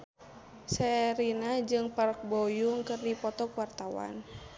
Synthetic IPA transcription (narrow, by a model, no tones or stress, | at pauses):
sɛɾinad͡ʒɨŋpark̚bɔjuŋkɨrdipɔt̪ɔkwart̪awa̰n